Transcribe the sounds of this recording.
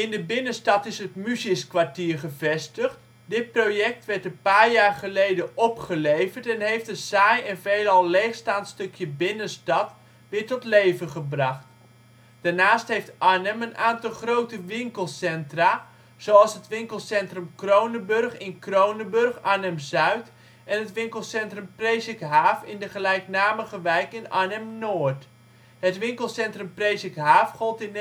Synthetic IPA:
ɪndəbɪnəstɑtɪsɦətmysɪskʋaɹtiːɹχəvɛstəχt | dɪt̚prowjɛk̚tʋɛɹtənpaːɹjaːrχəlejdəʔɔpχəlejvəɹtɛnɦejftdəsajɛnvejlɑlˠleːχstaːntstɵkʰjəbɪnəstɑt | ʋɪːɹtɔtlejvəχəbrɑχt | d̥aɹnaːstɦejftʔanəmənʔaːntɑlˠχrowtəʋɪŋkəlˠsɛntra | z̥owɑlˠsɦətʋɪŋkəlˠsɛntrəmkrownəbørχɪnkrownəbɵrχanɛmzœɥt | ɛnɦətʋɪŋkəlˠsɛntrəmprejsɪkɦaːfɪndəχəlɛjknaːməɣəʋɛjkɪna̰nɛmnoːɹt | ɦətʋɪŋkəlˠsɛntrəmprejsɪkɦaːfχɔlˠtɪn

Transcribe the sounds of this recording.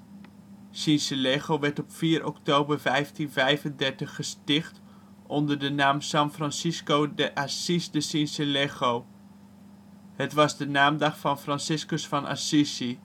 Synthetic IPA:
sinsəleχowʋɛɹtɔpfiːɾʔɔktowbəɹvɛjftinvɛjfəndɛɹtəχːəstɪχt | ʔɔndəɹdənaːmsɑnfrɑnsiskowdəʔasisdəsinsəleχow | hətʋɑzdənaːmdɑχfɑnfrɑnsɪskəsfɑnʔa̰sisi

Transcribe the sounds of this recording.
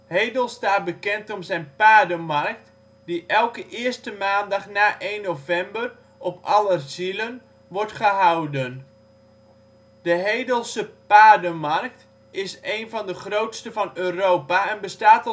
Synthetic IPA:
hejdəlˠstaːt̚bəkɛntɔmsɛjnpaːdəmɑrk̚t | d̥iʔɛlˠkəʔɪəstəmaːndɑχnaːʔeːnːowvɛmbər | ʔɔpɑlərzilən | ʋɔrtχəɦawdən | d̥əɦejdəlˠsəpaːdəmɑrk̚t | ɪsejnvɑndəχrowtstəvɑnøːrowpaɛnbəstaːtɔ

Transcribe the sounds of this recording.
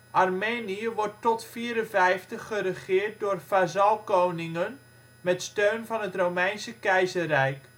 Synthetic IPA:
ʔɑrmeːniəʋɔɹtːɔtfiːɾənvɛjftəχːərəχɪːrt̚doːrfazɑlˠkownɪŋən | mɛtstøɥnvɑnɦətrowmɛjnsəkɛjzərɛjk

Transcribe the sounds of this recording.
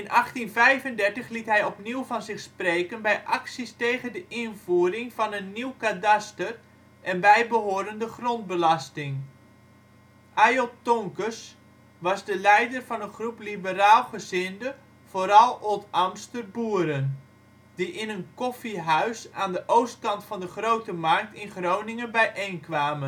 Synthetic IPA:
ɪnʔɑχtinvɛjvəndɛrtəχlitɦɛjɔpniwvɑnzɪxspreːkənbɛjʔɑksistejɣəndəʔɪnvuːəɾɪŋvɑnənːiwkadastər | ʔɛnbɛjbəɦoːəɾəndəχront̚bəlastɪŋ | ʔajotoŋkəs | ʋɑzdəlɛjdərvɑnənχruplibəraːlˠχəzɪndə | v̥oːɾɑlˠolˠtamstərbuːəɾən | diʔɪnənkɔfiɦœɥsaːndəʔowst̚kɑntfɑndəχrowtəmɑrk̚tɪnχrownɪŋənbɛjʔejnkʋaːmən

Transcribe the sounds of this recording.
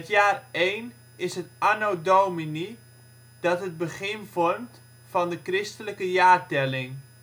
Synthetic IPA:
ətjaːrejn | ɪsɦətʔanodowmini | d̥ɑtɦəd̚bəχɪnvɔrmt | fɑndəkrɪstələkəjaːrtɛlɪŋ

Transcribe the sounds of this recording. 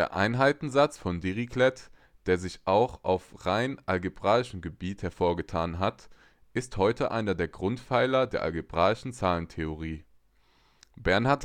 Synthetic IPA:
deːɐʔa̰ɪnɦaɪtn̩zat͡sfɔndiʁikʰlɛt | d̥eːɐzɪçʔaʊxʔa̰ʊfʁaɪnʔalɡebʁaːɪʃəm̩ɡəbiːthɛɐfoːɐɡətʰaːnɦat | ʔɪsthɔʏtʰəʔa̰ɪnɐdeːɐɡʁʊntfaɪlɐdeːɐʔa̰lɡeb̥ʁaːɪʃn̩t͡saːləntʰeoʁ̞iː | bɛɐnhaɐt

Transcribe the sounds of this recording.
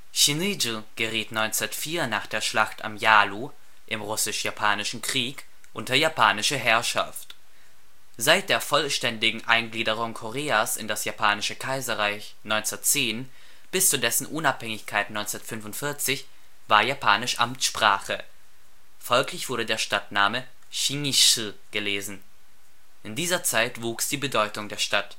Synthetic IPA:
ʃinid͡ʒlɡ̥əʁiːtnɔʏnt͡sɛɐtfiːɐnaːχd̥eːɐʃlaχta̰mjaːlu | ʔɪmʁʊsɪʃjapʰaːnɪʃn̩kʁ̥iːk | ʔʊntɐjapʰaːnɪʃəɦɛɐʃa̰ft | z̥aɪt̚d̥eːɐfɔlʃtɛndɪɡŋ̩ʔa̰ɪnɡliːdəʁ̞ʊŋkʰoʁeːaːsɪ̰ndasjapʰaːnɪʃəkʰaɪzɐʁaɪç | nɔʏnt͡sɐtt͡seːn | b̥ɪst͡suːɐdɛsn̩ʔʊnaphɛŋɪçkʰaɪtnɔʏnt͡sɛɐtfʏnvʊntfɪɐt͡sɪç | v̥aːɐjapʰaːnɪʃʔa̰mt͡sʃpʁ̥aːχə | fɔlklɪçv̥ʊɐɾədeːɐʃtatnaːmə | ʃiŋiʃə | ɡ̥əleːzn̩ | ʔɪndiːzɐt͡saɪtv̥uːksd̥iːbədɔʏtʊŋdeːɐʃtat

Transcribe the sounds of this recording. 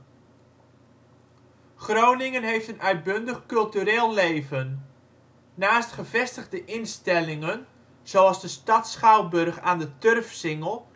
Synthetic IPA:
χrownɪŋənɦejftənʔœɥt̚bɵndəχkɵlˠtyɾeːlˠlejvənː | aːstχəvɛstəɣdəʔɪnstɛlɪŋən | z̥oɑlˠzdəstɑtsχawbɵrχaːndətørfsɪŋəlˠ

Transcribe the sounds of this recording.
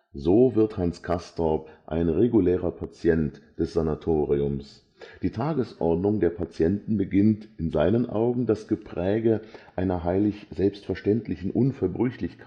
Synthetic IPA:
zoːvɪɐthanskʰastɔpʔa̰ɪnʁeɡuleːʁ̞ɐpʰat͡sjɛntd̥ɛsz̥anatʰoːʁiʊms | d̥iːtʰaːɡəsʔɔɐdnʊŋdeːɐpʰat͡sjɛntn̩bəɡɪntɪnzaɪnənʔa̰ʊɡŋ̩dasɡ̥əpʁ̥ɛːɡəʔaɪnɐɦaɪlɪçz̥ɛlpstfɛɐʃtɛntlɪçn̩ʔʊnfɛɐbʁʏçlɪçkʰa

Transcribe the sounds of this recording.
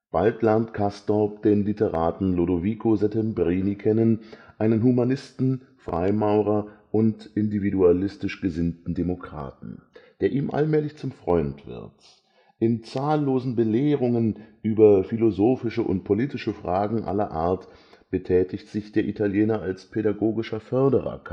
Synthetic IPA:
b̥altlɛɐntkʰastɔpd̥eːnlitəʁaːtn̩lodoviːkʰozɛtɛmbʁiːnikʰɛnənʔaɪnənɦumanɪstn̩ | fʁ̥a̰ɪmaʊʁ̞ɐʔʊntʔɪndividualɪstɪʃɡ̥əzɪntn̩demokʁ̥a̰ːtn̩d̥eːɐʔiːmʔa̰lmɛːlɪçt͡sʊmfʁ̥ɔʏntv̥ɪ̰ɐt | ʔɪnt͡saːlːoːzn̩bəleːʁ̞ʊŋənʔyːbɐfilozoːfɪʃəʔʊ̰ntpʰoliːtɪʃəfʁ̥aːɡŋ̩ʔa̰lɐ̰ʔa̰ːɐt | b̥ətʰɛːtʰɪçtz̥ɪçd̥eːɐʔitʰaljɛːnɐʔalspʰeɾaɡoːɡɪʃɐfœɐdəʁɐ̰k

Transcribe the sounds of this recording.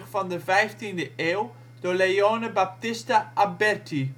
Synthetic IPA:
χfɑndəvɛjftindəʔeːw | d̥oːleoːnəbap̚tɪstaʔabɛrti

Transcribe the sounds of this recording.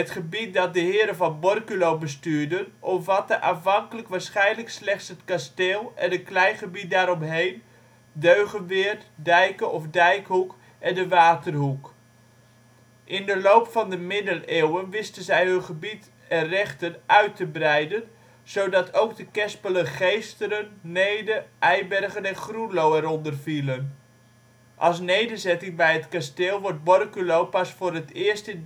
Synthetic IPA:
ətχəbit̚dɑt̚dəɦɪːəɾənvɑnbɔrkylowbəstyːɹdənʔɔmvɑtəʔaffɑŋkələkʋaːɹsχɛjnləkslɛχtsɦətkasteːlˠɛnətklɛjnχəbit̚daːɾɔmɦejn | døɥɣənʋɪərtdɛjkəʔɔfdɛjkɦuk | ɛndəʋaːtərɦuk | ʔɪndəlowpfɑndəmɪdəleːwənʋɪstənzɛjɦønχəbit | ɛnrɛχtənʔœɥtəbrɛjdən | z̥owdɑtʰowkdəkɛspələχejstəɾənːejdəʔɛjbɛrɣənɛnχrunlowɛɾɔndərfilən | ʔɑlˠs̬nejdərzɛtɪŋbɛjɦətkasteːlˠʋɔɹt̚bɔrkylowpasfʊːɾətɪəstə

